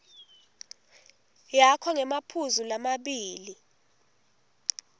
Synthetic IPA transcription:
jakʰɔŋɛmapʰuzulamaɓiːli

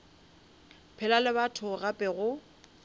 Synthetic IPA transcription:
pʰɛlalɪbatʰʊɣapʼɛɣʊ

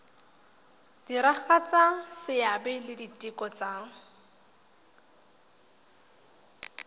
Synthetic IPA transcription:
d̥iɾaχat͡sʼasɪjabɛlɪditʼɪkʼɔt͡sa

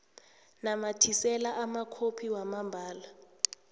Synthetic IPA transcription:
namatʰisɛlaʔamakʰopʰiwamambʱaːla

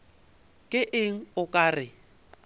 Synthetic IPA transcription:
kʼɪʔɪŋ̩ʊkʼaːrɪ

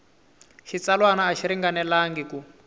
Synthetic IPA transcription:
ʃit͡salwanaːʃiɾiŋɡanɛlaŋɡiku

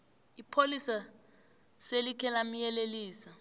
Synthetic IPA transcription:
ipʰolisa | selikʰɛlam̩jɛleliːsa

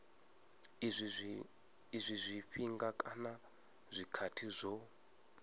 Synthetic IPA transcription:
izʷ | izʷizʷiɸiŋɡakʼana | zʷikʰatʰizʷɔ

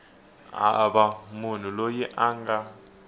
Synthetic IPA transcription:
a̰bamun̤ulojɛʔaŋɡa

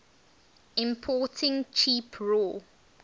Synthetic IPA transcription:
ɪ̃mpʰɔˑtʰɪ̃ŋt͡ʃʰiːpʰɹɔ

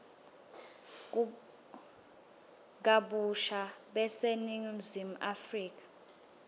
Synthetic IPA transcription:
k̬aɓuʃaɓɛseniŋim̩zimuʔafriːk̬ʼḁ

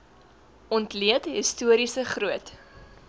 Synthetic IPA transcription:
ʔɔntliətɦistuəɾisəχruət

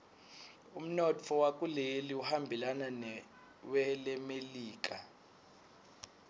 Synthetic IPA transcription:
um̩nɔt͡fʰɔwak̬ʼuleliuhambʱilananɛ | wɛlɛmeliːk̬ʼa

